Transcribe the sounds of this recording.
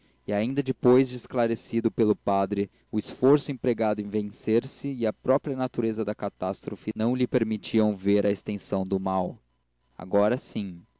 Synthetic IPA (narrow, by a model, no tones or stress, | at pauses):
ɪaĩnd̪ɐd͡ʒɪpojzd͡ʒɪːsklaɾesid̪ʊpelʊpad̪ɾɪ | ʊɪsfoɾsʊẽpɾeɡad̪ʊẽvẽseɾsɪːɐpɾɔpɾiɐnat̪uɾezɐd̪ɐkat̪ast̪ɾofɪnɐ̃w̃lɪpeɾmit͡ʃiɐ̃w̃veɾɐest̪ẽsɐ̃w̃d̪ʊmaw | a̰ɡɔɾɐsĩ